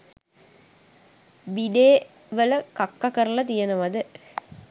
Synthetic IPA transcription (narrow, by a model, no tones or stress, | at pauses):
biɖeː | ʋələkakːakəɾəlɐt̪ijɐnəʋad̪ə